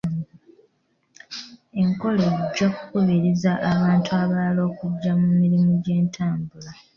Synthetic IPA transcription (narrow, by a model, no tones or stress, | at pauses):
e̞ŋko̞leɟːakukuβiɾizaʔːβaːntuaβalo̞ːkuɟːamumiɾimuɟe̞ːntʰaːmbula